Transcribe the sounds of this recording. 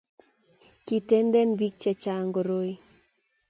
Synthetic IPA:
ki˨tɛ˦nd̪ɛ˦nbi˦k̚t͡ʃɛ˨t͡ʃa˦ŋɡo˨ɾo˦i˦

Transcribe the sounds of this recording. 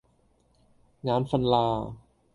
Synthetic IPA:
ŋaː˧˥nfa˧nlaː˧

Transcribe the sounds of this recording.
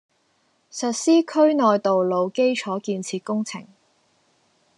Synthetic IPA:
sɐ˨t̚siː˥kʰɵ˥ɥnɔː˨jt̪o˨wlo˨˧wke˥jt͡ʃʰɔː˨˥kiː˧nt͡sʰiː˧t̚kʊ˥ŋt͡sʰɪ̰˨˩ŋ

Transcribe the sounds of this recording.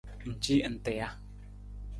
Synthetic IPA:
n̩˨t͡ʃi˦˨n̩˨tɛ˨a˦

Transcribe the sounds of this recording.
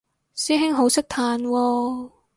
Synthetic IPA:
siː˥ɦɪ˥ŋɦo˨˥wsɪ˥k̚t̪ʰaː˧nwɔː˧

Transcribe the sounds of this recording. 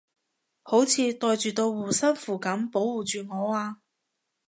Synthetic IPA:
ho˨˥wt͡sʰiː˧t̪ɔː˧jt͡ʃyː˨t̪o˧wːuː˨˩sɐ˥nfuː˨˩kɐ˨˥mpo˨˥wwuː˨˩t͡ʃyː˨ŋɔː˨˧aː˧

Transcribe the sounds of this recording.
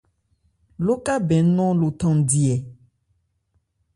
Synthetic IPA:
lo˦ka˦bɛ˨˦nɔ̃˦lo˨t̪ɔ̃˨˦˨di˨ɛ˨

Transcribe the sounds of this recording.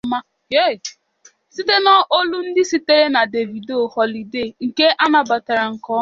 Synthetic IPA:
ma˦ | je˦˨ | si˦te˦nɔ˦ʔo˦lu˦n̩˦dɪ˦si˦te˦ɾe˦na˨de˨vi˨do˨hɔ˨li˨de˦˨ŋ̩˨ke˦ʔa˦na˨ba˨ta˨ɾa˨ŋ̩˨kɔ˦

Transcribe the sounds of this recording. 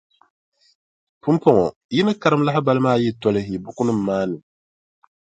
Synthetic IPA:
pu˦m˦pɔ˦ŋɔ˨ | ji˦nɨ˦ka˦ɾɨ˦m˦la˦ɦɪ˦ba˦lɨ˦maː˦˨ji˦tɔ˦lɨ˦hi˨bʊ˦kʊ˦nɨ˦mː˦aː˦nɨ˨

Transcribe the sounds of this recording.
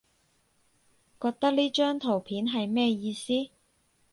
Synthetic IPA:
kɔː˧k̚t̪ɐ˥k̚liː˥t͡ʃœː˥ŋt̪ʰo˨˩wpʰiː˨˥nɦɐ˨jmɛː˥jiː˧siː˥

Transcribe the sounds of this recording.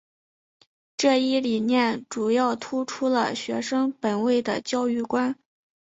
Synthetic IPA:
ʈ͡ʂɤ˥˩˧i˥˩li˨˩njɛ˥˩nʈ͡ʂu˨˩jɑ˥˩ʊt̪ʰu˥ʈ͡ʂʰu˥lə̰˨ɕɥɛ˧˥ʂɤ˥ŋpə˨˩nwe˥˩ɪd̪ə˩t͡ɕjɑ˥˧ʊy˥˩kwa˥n

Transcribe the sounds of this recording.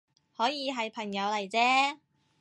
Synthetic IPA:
hɔː˨˥jiː˨˧ɦɐ˨jpʰɐ˨˩ŋjɐ˨˧wlɐ˨˩jt͡sɛː˥

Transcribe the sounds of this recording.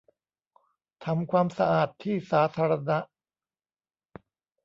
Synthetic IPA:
t̪ʰa˧mkʰwaː˧msa˧ʔaː˨˩t̪ʰːiː˥˩saː˩˦t̪ʰaː˧ɾa˧na˦˥ʔ

